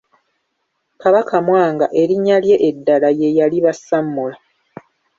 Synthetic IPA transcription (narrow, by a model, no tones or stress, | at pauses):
kaβakamwaːŋɡa̰ʔe̞ɾiɲːalje̞ʔedːalaje̞jaliβasamːula